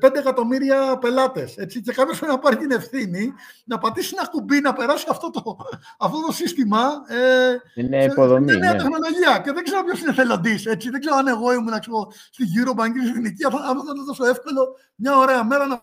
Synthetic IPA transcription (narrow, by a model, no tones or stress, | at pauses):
pe̞nd̪ekɐt̪o̞miɾiɐpe̞lɐt̪e̞se̞t͡sice̞kɐpçesfoɾenipɐɾit̪ine̞fθininɐpɐt̪isinɐkubinɐpe̞ɾɐsiɐft̪o̞t̪oː | ft̪o̞t̪o̞sist̪imɐenioðoeneɐt̪exno̞lo̞ʝiɐceðeɡze̞ɾo̞pço̞sineθe̞lo̞d̪ise̞t͡siðe̞ɡze̞ɾoɐne̞ɣo̞imunɐksepo | st̪iʝuɾo̞bɐɲɟisiθiniciɐɐnoɐnɐðosoe̞fko̞lo̞ | mɲɐo̞ɾe̞ɐme̞ɾɐnɐ